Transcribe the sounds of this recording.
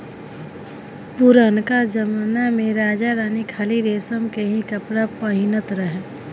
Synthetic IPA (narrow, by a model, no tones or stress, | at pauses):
puɾənkad͡ʒəmanamẽɾaːd͡ʒaɾaːnikʰaːliɾeːsəmkeɦĩkəpɾapəɦɪnət̪ɾəɦɛ